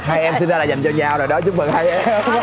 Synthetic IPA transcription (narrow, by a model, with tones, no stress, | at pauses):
haː˧jʔɛ˧msi˧nzaː˧laː˨˩za˨˩jŋ̟t͡ɕɔ˧ɲaː˨˩zo˨˩jɗɔ˨˦t͡ɕʊ˦˥ŋ͡m̚ə˨˩ŋha˧jʔ